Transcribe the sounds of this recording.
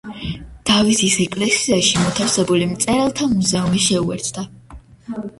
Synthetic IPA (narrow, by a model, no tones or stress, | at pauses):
d̪̥avisisɛkʼlɛsiaʃimɔt̪ʰafsɛbulimt̪sʼɛɾalˠt̪ʰamuzɛumiʃɛuɛ̰ɾt̪ʰd̪̥a